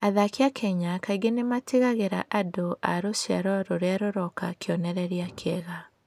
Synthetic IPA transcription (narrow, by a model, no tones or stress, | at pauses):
aðakeakʰɛɲakaiɡenemateɣaɣeɾa̰ʔadoʔaɾoɕja̰ɾɔɾoɾeaɾoɾɔkakeɔnɛɾɛɾiakʰeɛɣa